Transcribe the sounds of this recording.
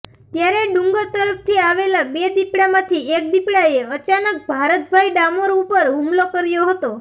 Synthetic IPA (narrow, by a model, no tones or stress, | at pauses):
t̪jaɾeɖuŋɡət̪əɾəpt̪ʰiaʋelabed̪ipɽamãt̪ʰiek̚d̪ipɽaeət͡ʃanək̚bʱaɾət̪̚bʱajɖamoɾupəɾɦumlokəɾjoɦət̪o